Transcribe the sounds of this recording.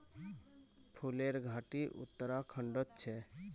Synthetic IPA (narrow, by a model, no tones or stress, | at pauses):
ʈʰuleɾɡʱaʈiʔṵt̪ːəɾakʰəɳɖət̪̚t͡ʃʰɛ